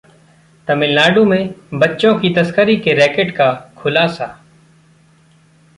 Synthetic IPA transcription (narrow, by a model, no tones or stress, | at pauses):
t̪əmɪ̃ːlaːɖõːmẽːbətːt͡ʃõːkiːt̪əskəɾiːkeːɾɛːkeːʈkaːkʰʊlaːsaː